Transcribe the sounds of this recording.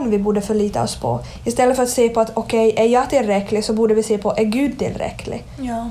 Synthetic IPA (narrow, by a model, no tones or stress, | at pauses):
nʋɪbʊɖːəfœɭiːt̪ə̰ɔ̰spʰɔ̰ | ɪst̪ɛlːəfœɾɑt̪seːpɔɑt̪ʰɔkʰɛɪʔæɾjɑːɡt̪ʰɪlɾɛkːəlɪsɔbuɖəʋɪseːpʰɔʔæɾɡʉːd̪̚t̪ʰɪ̰lɾɛ̰kʰːəlɪ̰